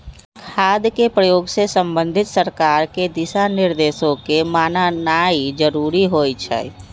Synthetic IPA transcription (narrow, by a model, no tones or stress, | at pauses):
kʰaːd̪kepɾəjoːɡsesə̃mbə̃nd̪ʱɪt̪səɾkaːɾked̪isanɪɾd̪eːsõkemaːnanaid͡ʒəɾuːɾiɦojt͡ʃʰɛ̰